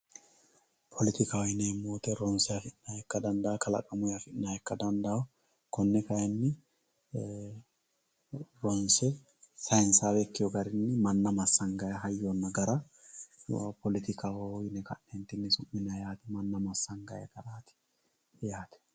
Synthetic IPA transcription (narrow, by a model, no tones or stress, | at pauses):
pʰɔlɪt̪ɪkawɪneːmːoːt̪ɛɾɔnsɛafɪʔɪnaːhɛkːɐd̪ɐnd̪ɐakʰɐlɐ̰kʼɐmʊjafɪᶑɪnaːhɛkːɐd̪ɐnd̪ɐw | kʰɔnːɛkɐjɛnːɪ | ɾɔnsɛ | sɐjnsaːbɛkːɪjɔɡɐɾɪnːɪmɐnːɐmɐsːɐŋɡɐjɐɦɐjːoːnːɐɡɐɾa̰ | pʰɔlɪt̪ɪkawɔɪnɛkɐʔent̪ɪnːɪsʊmːɪnɐjaːt̪ɪmɐnːɐmɐsːɐŋɡɐjɐ̰ɡ̥ɐɾaːt̪ɪ̥ | jaːt̪ɛ̥